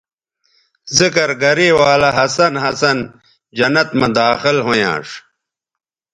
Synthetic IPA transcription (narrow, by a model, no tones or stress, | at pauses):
zikɐɾɡɐɾiːwaːlɐɦɐsɐnɦɐsɐn | d͡ʑɐnɐt̪mɐd̪aːxilɦojã̰ːʂ